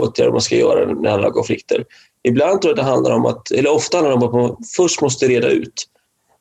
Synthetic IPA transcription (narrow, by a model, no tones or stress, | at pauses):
oːt̪ʰja̰ɾdɔ̰manskajœ̰ːɾa̰nɛanaɾavkʰɔnflɪkt̪ʰə̰ɾ | ɪbland̪t̪ʰɾuːɾad̪ɛɦand̪la̰ɾɔmʔa̰t̪ɛlːəɾɔft̪ahanaɖɛɔmat̪mafœʂʈmɔs̬t̪əɛɾeːd̪a̰ʉ̟̰ːt̪